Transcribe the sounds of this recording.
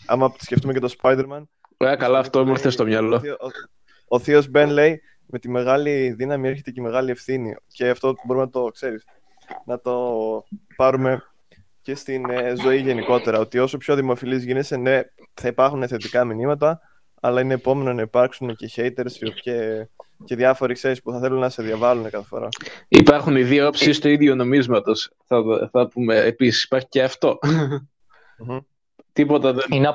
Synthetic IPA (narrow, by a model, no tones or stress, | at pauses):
ɐ̰mɐpot̪i̥sce̞ft̪ume̞ce̞t̪o̞spɐjd̪e̞ɾmɐn | ekɐlɐːft̪omuɾθest̪omɲɐlo | oθio̞zbe̞nle̞j | me̞t̪ime̞ɣɐliðinɐmiɾçe̞t̪eceme̞ɣɐlie̞fθinḭce̞ɐft̪o̞boɾumenɐt̪o̞kse̞ɾis | nɐt̪o̞ | pɐɾume̞ | ce̞st̪inzo̞iʝeniko̞t̪e̞ɾɐo̞t̪io̞sopço̞ðimo̞filizʝinese̞ne̞ | θɐipɐɾxuneθe̞t̪ikɐminimɐt̪ɐ | ɐlɐine̞ːpo̞me̞nonɐipɐɾksunece̞çe̞jt̪e̞ɾsoceceðʝɐfo̞ɾixsesi̥puθɐθe̞lunnɐse̞ðjɐvɐlune̞kɐθe̥fo̞̰ɾɐ̰ipɐɾxuniðiopsist̪oiðjono̞mizmɐt̪o̞sθɐθɐpumeːpisi̥si̥pɐɾçiceɐft̪o̞ | t̪ipot̪ɐðein